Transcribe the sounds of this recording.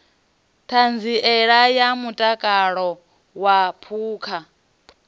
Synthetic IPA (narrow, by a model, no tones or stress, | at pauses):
tʰand͡ziʔɛɺajamutʼakʼaɺɔ | wapʰuːkʰa